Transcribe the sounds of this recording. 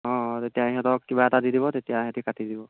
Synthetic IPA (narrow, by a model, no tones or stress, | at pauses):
ɔ̃tetijaɦiɦɛtɔkːibaɛtadidibɔtetijaɦɛtikatidibɔ